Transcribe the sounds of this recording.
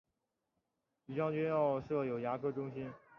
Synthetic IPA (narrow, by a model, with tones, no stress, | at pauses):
py˨˩t͡ɕjɑ˥˧ʊt͡ɕɛ˥jɑ˥˧ʊʂɤ˥˩jo˨˩ʊja˧˥kʰɤ˥ʈ͡ʂʊ˥ŋɕi˥n